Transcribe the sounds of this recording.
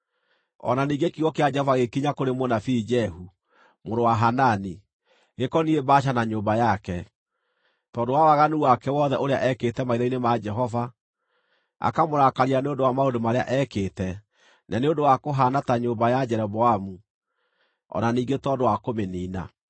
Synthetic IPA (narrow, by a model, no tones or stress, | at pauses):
ɔ̰naniːɡekiɣɔkead͡ʒɛhɔvaɣekiɲakoɾemonafid͡ʒɛɦu | moɾowaɦanani | ɣekɔniebaʃ̬anaɲoːmbajakɛ | tɔːndowawaɣanuwakɛwɔðɛʔoɾeaʔɛketɛmaiɾainemad͡ʒɛɦɔva | a̰kamoɾakaɾianeondowamaodomaɾea̰ʔɛketɛ | naneondowakoɦanataɲoːbajad͡ʒɛɾɛβɔamu | ɔ̰naniːɡetɔdowakomeniːna̰